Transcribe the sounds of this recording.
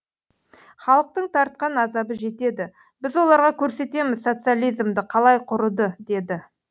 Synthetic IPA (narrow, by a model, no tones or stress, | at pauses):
χɑlˠəq̚t̪əɴt̪ʰɑɾt̪̚qɑnɑzɑbəʒe̞t̪e̞d̪ɪ | bɪzwo̞lˠɑɾʁɑkʲʰɵɾse̞t̪e̞mɪzso̞t̪sɨjalʲijzmd̪ɪqʰɑlˠɑjqʰʊɾəd̪əd̪e̞d̪ɪ